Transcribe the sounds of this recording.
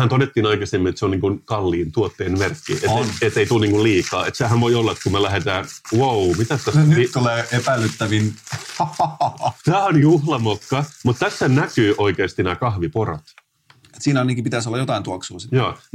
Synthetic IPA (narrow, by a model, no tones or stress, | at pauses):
hænt̪onet̪ːiːnɑikɑsemːinet̪seoniːŋkunkɑlːiːnt̪uot̪ːeːnmerkːḭet̪et̪ːeit̪uːniːŋkulliːkɑːḛt̪sehænʋoiolːɑet̪kumelæɦet̪æːnwowmit̪æst̪æsnt̪uleːepælːˑyt̪ːæʋin | t̪æːonjuhlɑmokːɑmut̪t̪æsːænækyːʔoikeːst̪inæːkɑhʋipoɾɑ̰t̪ | et̪siːnnikipit̪æsolːɑjot̪ɑint̪uɑksuːsjɑː